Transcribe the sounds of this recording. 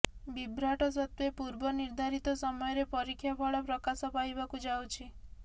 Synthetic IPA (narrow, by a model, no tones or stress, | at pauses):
bibɾaʈɔs̬ɔt̪wepuɾbɔniɾd̪ʱaɾit̪ɔsɔmɔjɔɾepɔɾikʰːjapʰɔɭɔpɾɔkasɔpajbakud͡ʒawt͡ʃʰi